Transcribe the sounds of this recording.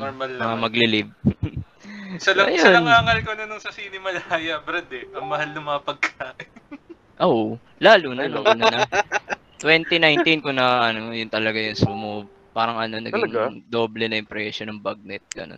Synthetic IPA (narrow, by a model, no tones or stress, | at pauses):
noɹmɐlːɐŋɐmɐɡlɪlɪb̚ | sɐlɐʔɐjsoɐɐnŋaːŋɐlkonɐnʊŋsɐsiːnɪmɐlajɐbɾɐd̪ɛʔɐŋmɐhalnɐŋmɐŋapɐɡ̚kaːʔɪ | ʔowʔ | laːlunɐnoŋʔɐnonɐ | t̪wɛnt̪inajnt̪inkʊŋnɐʔɐno̞jʊnt̪ɐlɐɡajʊŋsʊmob̚ | paːɾɐŋʔɐnonɐ̰ɡiŋɡd̪o̞ːblɛnɐɪŋpɾɛʃonɐŋbɐɡ̚nɛt̪̚ɡ̥ɐ̰no̰n